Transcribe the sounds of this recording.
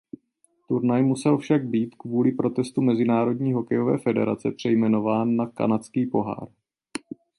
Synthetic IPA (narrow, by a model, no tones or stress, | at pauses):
t̪uɾnajmusɛlfʃaɡ̚biːt̪kvuːlɪpɾo̞t̪ɛst̪umɛzɪnaːɾo̞dɲiːɦo̞kɛjo̞vɛ̰ːfɛdɛ̰ɾa̰t͡sɛpr̝̥ɛjmɛno̞vaːnːaka̰nat͡skiːpo̞ɦa̰ːɾ